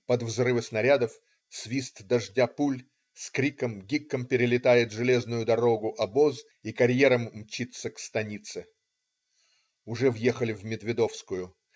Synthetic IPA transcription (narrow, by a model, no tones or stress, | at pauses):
pɐd̪vzrɨvɨsnɐɾʲad̪əf | svʲist̪d̪ɐʐdʲapulʲ | skɾʲikəmɡʲikːəmpʲɪɾʲɪlʲɪt̪ajɪt̪ʐɨlʲe̞znʊjʊd̪ɐɾoɡʊʔɐbo̞z | ikɐɾʲjeɾəmːt͡ɕit̪səkst̪ɐnʲit̪sɨ | ʊʐɛvjexəlʲɪvmʲɪd̪vʲɪd̪o̞fskʊjʊ